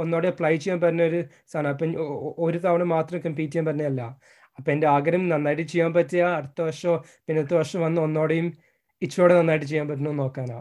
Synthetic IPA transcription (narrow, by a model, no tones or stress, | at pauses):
onːoːɽeɐplajt͡ɕejːaːnpɐrɐnːɐoɾu | st̪ʰaːnapːɐoɾut̪ɐʋɐɳɐmaːt̪rɐmkɐmpiːtːijaːnmpɐɾɐnːɐjɐlːɐ | ɐpːoːendeaːɡɐɾɐmnɐnːaːjʈːɨt͡ɕejːaːmpɐtːijaɐɽɨt̪ːɐʋɐʂɐo | pinːet̪ːɐʋɐrʂɐmʋɐnːɨonːo̞ːɽejum | it͡ɕːo̞ːɽenɐnːaːjiʈ̬ːɨt͡ɕe̞jːaːmpɐt̬ːinono̞ːkːaːna̰ː